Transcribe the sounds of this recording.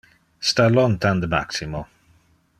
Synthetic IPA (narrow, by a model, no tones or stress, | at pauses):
stalɔnt̪and̪əma̰ksimo